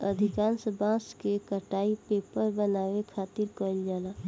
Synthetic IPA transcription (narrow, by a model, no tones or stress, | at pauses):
ɐd̪ʱɪkaːnsəbʱãːskekəʈaːipeːpəɾbənaːwekʰaːt̪ɪɾkɔːld͡ʒaːlaː